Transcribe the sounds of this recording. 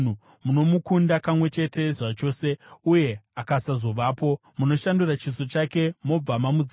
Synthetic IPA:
u | muno̞mukundakamwe̞t͡ʃe̞te̞ʐat͡ʃo̞ːse̞uje̞akasazo̞ʋaːpo̞ | muno̞ʃandurat͡ʃiso̞t͡ʃake̞mo̞b͡vamamud͡z

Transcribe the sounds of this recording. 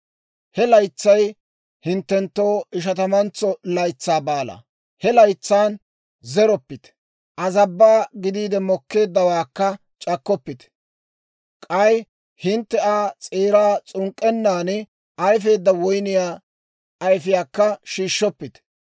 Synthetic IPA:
hɛlɐjt͡sːɐj | hɪnt̪ːɛnt̪ːo̞ːɪʃ̬ɐt̪ɐmɐnt͡sːɔlɐjt͡sːaːbaːlɐ̰ | hɛlɐjt͡sːaːn | zɛɾɔpːɪt̪ | ʔɐzɐbːaːɡɪd̪iːd̪ɛmɔkːe̞ːd̪ːɐwaːkːɐ | t͡ʃʼɐkːɔpːɪt̪ | kʼɐj | hɪnt̪ːɛaːt͡sʼeːɾaːt͡sʼʊŋkʼːɛnːaːn | ʔɐjfe̞ːd̪ːɐwɔjnɪjaː | ɐjfɪjaːkːɐʃiːʃːɔpːɪt̪

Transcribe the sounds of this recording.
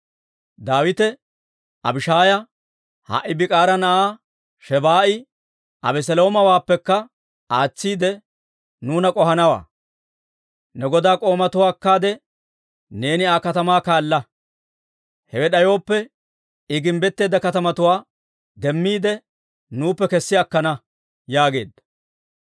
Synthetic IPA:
d̪aːwɪt̪ɛ | ɐ̰bɪʃaːjɐ | ha̰ʔɪbɪkʼaːɾɐnɐʔaː | ʃɛbaːʔɪ | ʔɐ̰bɛs̬ɛlo̞ːmɐwaːpːɛkːɐ | aːt͡sːiːd̪ɛ | nuːnɐkʼɔɦɐnɐwa̰ː | nɛɡɔd̪aːkʼo̞ːmɐt̪ʊwaːkːaːd̪ɛ | ne̞ːnɪakɐt̪ɐmaːkaːlːɐ | hɛwɛɗɐjo̞ːpːɛ | ɪɡɪmbɛt̪ːe̞ːd̪ɐkɐt̪ɐmɐt̪ʊwaː | d̪ɛmːiːd̪ɛ | nuːpːɛkɛsːɪɐkːɐnɐ | jaːɡe̞̰ːd̪ːɐ

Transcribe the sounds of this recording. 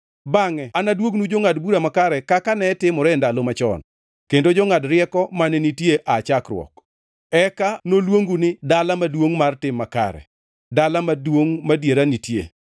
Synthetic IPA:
baŋɛanadwoɡnud͡ʒoŋadbuɾamakaɾɛkakanɛtɪmɔɾɛndalomat͡ʃɔ̰n | kendod͡ʒɔŋadɾɪɛkɔmanɛnitjeʔat͡ʃakrwɔ̰k | ɛkanolwoŋɡunɪdalamadwoŋmartɪmːaka̰ɾɛ̰ | dalamadwoŋmadjeɾanitjḛ

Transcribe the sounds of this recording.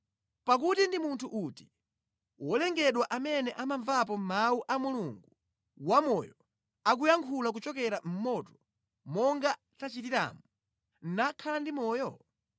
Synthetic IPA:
pak̬utindimuntʰuʔuti̥ | wɔlɛŋɡɛɗwaʔamɛnɛʔamaɱvap̬ɔmauʔamuluŋɡu | wamɔjɔ | ak̬ujaŋkʰulak̬ut͡ʃɔk̬ɛɾam̩mɔtɔ̥ | mɔŋɡa | tat͡ʃitiɾa̰mɔ | n̩nakʰalandimɔːjɔ

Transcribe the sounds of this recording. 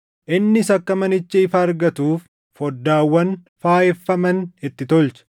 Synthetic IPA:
ʔɪnːɪsɐkːɐmɐnɪt͡ʃːɪɪfɐːɾɡɐt̪uːfː | ɔd̪ːaːwːɐn | faːjɛfːɐmɐnɪt̪ːɪt̪ɔlt͡ʃɐ̥

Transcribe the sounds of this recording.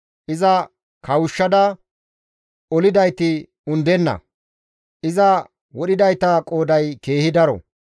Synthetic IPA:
ʔɪzɐ | kɐwʊʃːɐd̪ɐ | ɔlɪd̪ɐjt̪ɪ | ʊnd̪ɛnːɐ̰ | ʔɪzɐ | wɔɗɪd̪ɐjt̪ɐkʼo̞ːd̪ɐjke̞ːhɪd̪ɐɾɔ̰

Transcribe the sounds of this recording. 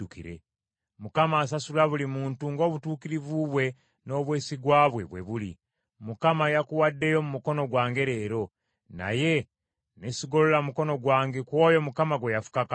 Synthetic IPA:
ukḭɾḛ | mukamaːs̬asulaβulimuːntuŋɡo̞ːβutuːkiɾivuβwe̞ | no̞ːβweːsiɡwaːβwe̞βwe̞̰βulḭ | mukamajakuwadːe̞jo̞mumuko̞no̞ɡwaːŋɡe̞ɾeːɾo̞ | na̰je̞ | nesiɡo̞lolamuko̞no̞ɡwaːŋɡekwo̞ːjo̞mukamaɡwejafu̥kaka

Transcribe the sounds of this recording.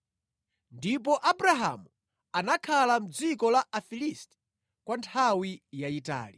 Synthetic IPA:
ndip̬ɔʔabɾaɦa̰mu | anakʰalam̩d͡zikɔlaʔafilistɛ̥ | kwantʰawijaita̰ːli

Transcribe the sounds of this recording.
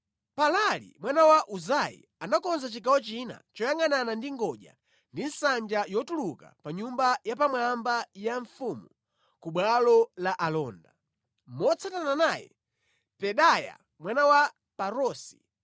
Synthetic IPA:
palalḭmwanawaʔuzajḭ | anakɔnzat͡ʃikawɔt͡ʃina̰t͡ʃɔjaŋananandiŋɡɔʄa̰ | ndinsand͡ʒajɔtuluka̰paɲumbajapamwambajaɱfumu | kuɓwalɔlaʔalɔːnda | mɔt͡sʰatananaːjɛ̰ | pɛɗaja̰ | mwanawa | paɾɔːsi̥

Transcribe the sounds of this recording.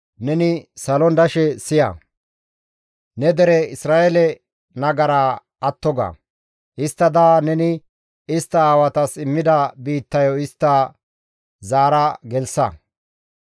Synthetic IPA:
nɛnɪsɐlɔnd̪ɐʃɛsɪjɐ̰ | nɛd̪ɛɾɛɪsɾaːʔɛlɛ | nɐɡɐɾaː | ɐt̪ːɔɡa̰ː | ɪst̪ːɐd̪aːnɛnɪ | ɪst̪ːɐaːwɐt̪ɐsɪmːɪd̪ɐbiːt̪ːɐjɔɪst̪ːɐ | zaːɾɐɡɛlsɐ̰

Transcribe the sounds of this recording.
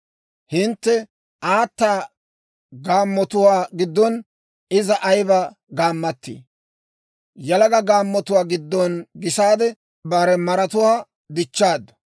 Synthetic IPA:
hɪnt̪ːɛ | ʔaːt̪ːaː | ɡaːmːɔt̪ʊwaːɡɪd̪ːɔn | ɪzɐʔɐjbɐ | ɡaːmːɐt̪ːḭː | jɐlɐɡɐɡaːmːɔt̪ʊwaːɡɪd̪ːɔnɡɪsaːd̪ɛ | bɐɾɛmɐɾɐt̪ʊwaː | d̪ɪt͡ʃːaːd̪ː

